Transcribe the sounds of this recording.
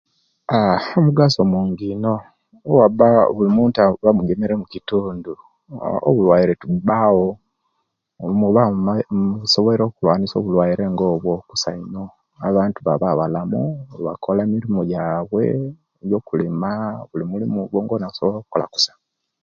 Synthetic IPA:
aomuɡasomuːŋɡino̞ | wabaβulimuːntaβamuɡemeɾemucituːndu | o̰βulwajiɾe̞tubawo | muβa | soβoleɾo̞ːkulwaːnisoːβulwajiɾʔe̞ŋɡoːβwokusaino̞ | aβaːntuβaβaβalamuβa̰kʰolemiɾimojaːβwe̞̰ | jo̞ːkulimaβulimulimuβoːŋɡonasoβoloːku̥kola̰ku̥sḁ

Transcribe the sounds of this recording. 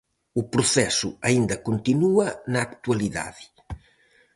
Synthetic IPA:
upɾuθɛsṵɐind̪ɐkont̪inuɐnɐːkt̪wɐliða̰ðɪ

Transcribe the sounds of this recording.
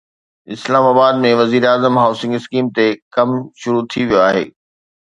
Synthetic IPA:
ɪslaːmaːbaːd̪̚mẽʋɐziːɾaːzəmɦaːʊsɪ̃ŋɡɪskiːmt̪ekɐmʃʊɾut̪ʰiʋijoaːɦḛː

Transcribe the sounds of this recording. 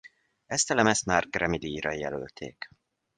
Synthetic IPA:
ɛst̪ɛlɛmɛst̪maːrɡrɛmid̪iɾɒjɛ̰lø̰lt̪ʰḛːk

